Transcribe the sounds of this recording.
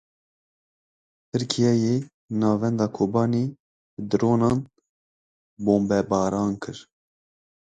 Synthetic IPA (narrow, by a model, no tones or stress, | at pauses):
t̪ʰɨɾkʰijɛjeː | nɑːvɛnd̪ɑːkʰoːbɑːniː | bɨd̪ɨɾoːnɑːn | boːmbɛbɑːɾɑːnkʰɨɾ